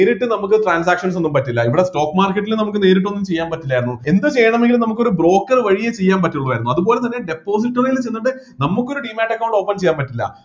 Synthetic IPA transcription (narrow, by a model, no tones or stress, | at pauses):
ɾiʈːɨnɐmukːɨʈraːns̬aːkʂɐns̬o̞nːumpɐtːilːɐiʋiɽesto̞ːkːɨmaːrkːɐʈːilunɐmuk̬ːɨne̞ːɾiʈ̬ːo̞nːumt͡ɕe̞jːaːnpɐtːilːaːjiɾunːue̞nd̪ɨt͡ɕe̞jːɐɳɐme̞ŋɡilmnɐmukːo̞ɾubro̞ːkːɐrʋɐɻijet͡ɕe̞jːaːnpɐtːiuɭːɐʋaːjɾunːuɐðupo̞ːle̞t̪ɐnːeɖe̞pːo̞ːs̬iʈːɐrɐjilt͡ɕejnːuʈːɨ | nɐmukːo̞ɾuɖiːmaːʈːɐkːɐwɳɖo̞ːpːɐnt͡ɕe̞jːaːnpɐtːilːɐ̰